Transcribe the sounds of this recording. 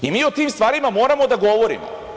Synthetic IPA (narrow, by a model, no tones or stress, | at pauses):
imiːot̪iːmst̪ʋaːɾimamo̞ːɾamod̪aɡo̞ʋo̞ɾḭmo̰